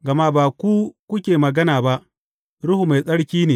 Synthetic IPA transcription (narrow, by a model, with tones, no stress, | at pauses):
ɡɐ˨ma˦baː˨kʷu˦kʷʊ˦kʲeː˨mɐ˨ɡɐ˦naː˨ba˦ʔ | ɽʊ˦hu˨ma˨jsʼɐ˦ɽkʲiː˦neː˨